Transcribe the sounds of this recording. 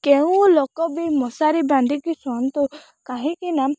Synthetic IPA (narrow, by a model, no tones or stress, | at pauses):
keũlokɔbimɔsaɾiband̪ʱikisɔnt̪u | kaɦikina